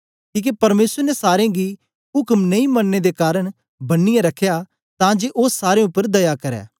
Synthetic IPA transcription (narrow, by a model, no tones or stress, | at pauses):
kiːk̬epɐɾmeːsəɾnɛsaːɾeãɡi | ɦʊkmnɐ̃ĩmɐnːed̪ekaːɾəɽ̃ | bɐnːɪjẽɾɐkʰeja | t̪ãd͡ʒeʔoːsːaːɾẽʊpːəɾd̪ɐjakɐɾɛ̰ː